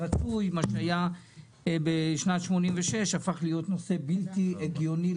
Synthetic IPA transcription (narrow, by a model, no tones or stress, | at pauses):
at͡sujmaʃeaja | beʃnatʃmo̞nimveʃe̞ʃafaχlijo̞t̪no̞se̞biltieɡjo̞ni